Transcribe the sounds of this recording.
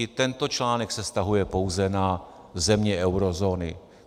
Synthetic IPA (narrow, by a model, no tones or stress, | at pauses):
ɪt̪ɛnt̪o̞t͡ʃlaːnɛksɛst̪aɦujɛpo̞wzɛna | zɛmɲɛɛwɾo̞zoːnɪ